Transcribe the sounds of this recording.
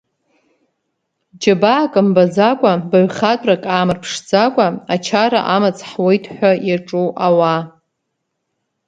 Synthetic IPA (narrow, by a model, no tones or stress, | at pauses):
d͡ʒabaːkʼambad͡zakʷʼabaɥχatʷʼrakʼaːmɨrpʰʂd͡zakʷʼaat͡ʃʰaɾa̰ʔamat͡sʰħwejtʰʼħʷᶣajaʈ͡ʂʼuʔawa